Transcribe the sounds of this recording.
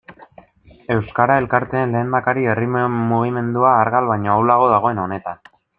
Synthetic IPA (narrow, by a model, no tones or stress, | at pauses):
e̞wskaɾae̞lkaɾt̪e̞ːnle̞ːnd̪akaɾie̞rimmuɣ̞ime̞nd̪uaːɾɣalβajɲoawlaɣ̞o̞ð̞aɣ̞o̞e̞no̞ne̞t̪an